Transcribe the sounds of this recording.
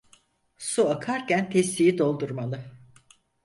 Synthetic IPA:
suakʰaɾcænt̪ʰɛsːijid̪o̞lˠd̪uɾmalˠɯ

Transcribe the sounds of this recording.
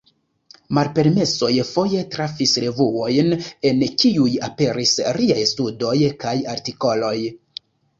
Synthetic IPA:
maɾpe̞ɾme̞so̞jfo̞je̞tɾafisɾe̞vuo̞jne̞nkiujape̞ɾisɾiajstudo̞jkajaɾtiko̞lo̞j

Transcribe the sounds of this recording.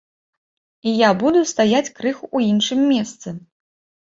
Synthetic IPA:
ijabud̪ust̪ajat͡sʲkɾɨxuːinʂɨmːʲɛst̪sɨ

